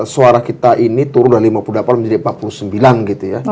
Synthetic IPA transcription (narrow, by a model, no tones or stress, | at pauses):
suaɾakit̪aʔinit̪uɾʊnlalimapuludlapanməɲd͡ʒadimpat̪̚puluhsəmbilanɡit̪uja